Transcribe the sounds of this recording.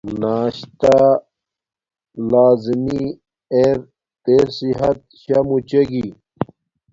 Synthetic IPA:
naːɕt̪a | laːzimi | eɾ | t̪eːɾsiɦɐt̪̚ɕɐmut͡ɕeɡi

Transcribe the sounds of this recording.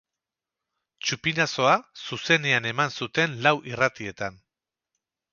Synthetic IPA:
t͡ʃupinaso̞asuse̞ne̞ane̞mansut̪e̞nlawʔirat̪ie̞t̪an

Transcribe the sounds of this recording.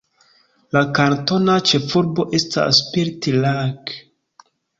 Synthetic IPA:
lakanto̞nat͡ʃe̞fuɾbo̞ʔe̞sta̰spiɾtilak

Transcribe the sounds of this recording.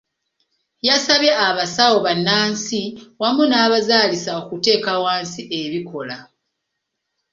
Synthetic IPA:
jasaβeaβasawo̞βanːaːnsiwamunaːβazaːlisaokute̞ːkawaːnsiʔe̞βikʰo̞la

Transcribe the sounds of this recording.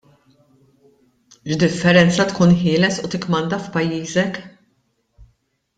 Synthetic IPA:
ʒd̪ɪfːɛɾɛnt͡sɐt̪kuːnħɪːlɛsut̪ɪkːmɐnd̪ɐfpɐjːiːzɛk

